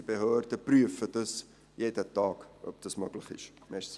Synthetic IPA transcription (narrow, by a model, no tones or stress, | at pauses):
əbəɦøːrtəpryəfətəs | jɛtətɑːkə̰p̚təsməkləχḭʃmɛs